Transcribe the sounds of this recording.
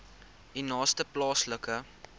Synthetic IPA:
inɑːstəplɑːsləkə

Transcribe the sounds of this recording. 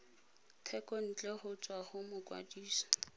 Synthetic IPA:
tʰɛkʼɔn̩t͡ɬʼɛχʊt͡sʼwaχʊmʊkʼwa̰diːsɔ̥

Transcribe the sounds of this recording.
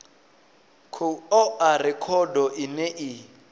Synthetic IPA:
kʰuɔarɛkʰɔdɔʔinɛʔi

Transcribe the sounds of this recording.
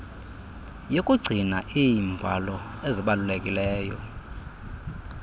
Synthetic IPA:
jokʼuɡ͡ǀʱinaʔijimbʱalɔ | eziɓalulekʼilɛːjɔ

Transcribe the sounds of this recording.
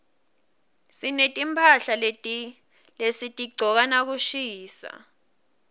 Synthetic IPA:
sinetʼimpʰaɬale | lesitʼiɡ͡ǀʱɔk̬anak̬uʃiːsa̰

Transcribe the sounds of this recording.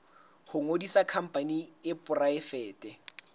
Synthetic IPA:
hʊŋodisakʰam̩pʼaniɪpʼʊraɪfɛːtʼɛ

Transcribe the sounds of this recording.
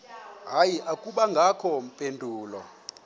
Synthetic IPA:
ɦajiʔakʼuɓaŋɡʱakʰɔmpʼendʱuːlɔ̰

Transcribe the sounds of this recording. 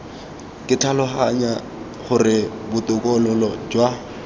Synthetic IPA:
kʼɪtʰalɔχaɲa | χʊrɪbʊt̪ʼʊkʼɔlʊlɔd͡ʒwa

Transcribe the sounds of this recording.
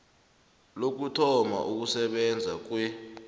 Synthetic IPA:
lok̬utʰɔma̰ʔuk̬usɛɓɛnd͡zʱak̬wɛ

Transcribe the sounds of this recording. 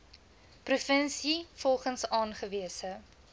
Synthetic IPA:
prufənsifɔlˠχənsɑːnχəviəsə

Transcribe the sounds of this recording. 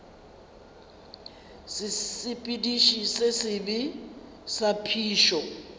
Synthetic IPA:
sɪsɪpʼidiʃisɛsɪbi | sapʰiːʃɔ

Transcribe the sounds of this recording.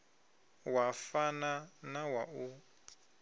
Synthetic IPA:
wafananawau

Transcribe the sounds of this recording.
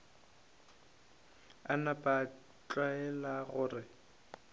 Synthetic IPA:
anapʼa | t͡ɬʼwaɛlaɣʊːrɪ

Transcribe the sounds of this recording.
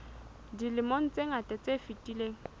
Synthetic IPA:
dilɪmoŋ̩t͡sʼeŋ̩atʼɛt͡sʼefitʼileːŋ̩

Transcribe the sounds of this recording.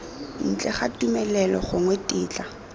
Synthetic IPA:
n̩t͡ɬʼɛχatumɛlɛlɔχʊŋwɛtʼɪːt͡ɬʼa

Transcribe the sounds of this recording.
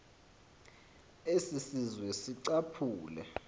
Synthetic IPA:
esisizwɛsiǀapʰuːlɛ̰

